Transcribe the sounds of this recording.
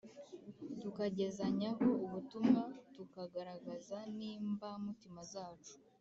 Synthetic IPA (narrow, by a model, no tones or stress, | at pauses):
tukaɟe̞zaɲaɦo̞uβutumŋatukaɡaɾaɡazaniːmbamutimazaːt͡ʃu̥